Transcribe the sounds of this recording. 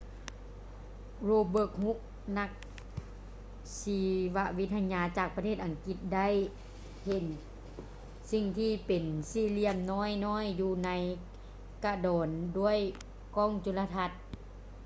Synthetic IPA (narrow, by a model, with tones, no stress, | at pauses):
ɾoː˧bɤ˧˩k̚hu˧˥k̚ | na˧˥k̚ | siː˧˩wa˧ʋi˦˥t̪ʰa˧ɲaː˧t͡ɕaː˨˩k̚pa˧eː˧˩t̪ʔa˨ŋki˧˥t̪̚da˥˨j | he˨˩n | si˧ŋt̪ʰiː˧˨pe˨nsiː˧˩li˧˩əmnɔː˧˥˨jnɔː˧˥˨jːuː˧na˧˥j | ka˧˩dɔː˨˩ndu˥˨əj | kɔː˧˥˩ŋt͡ɕu˧˥la˧t̪ʰa˧˩t̪̚